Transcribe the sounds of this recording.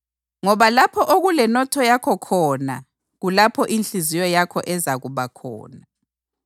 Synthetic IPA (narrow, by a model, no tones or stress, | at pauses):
ŋɔβalapʰɔʔoɣulɛnɔtʰɔjakʰɔkʰɔna̰ | ɣulapʰɔʔint͡ɬizijɔjakʰɔ̰ʔɛzaɣuβakʰɔ̰ːna